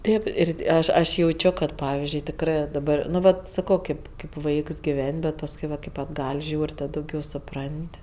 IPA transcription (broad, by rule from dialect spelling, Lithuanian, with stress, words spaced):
ˈtʲeːp ɪr ˈɐʃ ɐʃ jɛʊˈt͡ʃʲoː ˈkɐt ˈpɑːʋʲɪzʲd͡ʒʲʊɪ tʲɪkˈrɜ dɐˈbɐr nʊ ˈʋɐt sɐˈkoː ˈkɐɪp kɐɪp ˈʋɐɪks ɡʲɪˈʋʲɛnʲ bʲɛt pɐsˈkʊɪ ʋɐt kɐɪ ɐdˈɡɐlʲ ˈʒʲuːrʲ ˈtɐt dɐʊˈɡʲɛʊ sʊˈprɐnʲtʲ